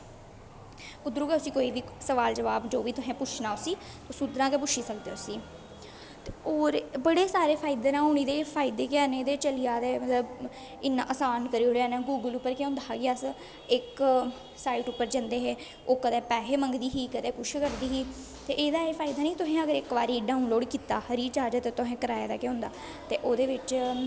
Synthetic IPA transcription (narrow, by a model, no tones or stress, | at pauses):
ʊd̪ɾuːɡɛːʊsiːkoːiːʋiːsəʋaːld͡ʒəʋaːbd͡ʒoːʋiːt̪ʊɦɛ̃ːpʊt͡ʃʰnaːʊsiː | ʊsud̪ɾãːkepʊt͡ʃʰiːsək̚d̪eːʊsiː | t̪eoːɾbəɽeːsaːɾeːpʰaːɪd̪eːnãːʊɳ̃iːd̪eːpʰaːɪd̪eːkɪaːneːd̪eːt͡ʃəlijaːd̪eːmət̪ləb | ɪnːã̰ːʔəsaːnkəɾiːoːeaːnẽːɡuːɡəlʊpːəɾkeʊ̃nd̪aːɡɪaːs | ɪk | saːiːʈʊpːəɾd͡ʒə̃nd̪eːɦeː | oːkəd̪ɛ̃ːpɛːɦeːməŋɡd̪iːɦiːkəd̪eːpʊʃkəʈd̪iːɦiː | t̪eːʔeːd̪aːeːpʰaːid̪aːnĩːt̪ʊɦẽːəɡəɾɪkʋaːɾiːɖãːũːloːɽkiːt̪aːhəɾiːt͡ʃaːd͡ʒət̪eːt̪ʊɦẽːkəɾaːjeːd̪aːkeɦʊ̃nd̪a̰ː | t̪eːʔoːd̪eːʋɪt͡ʃ